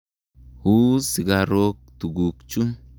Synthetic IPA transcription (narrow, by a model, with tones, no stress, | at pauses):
huː˦si˨ɡaɾo˦k̚t̪u˨ɡu˨kt͡ʃu˦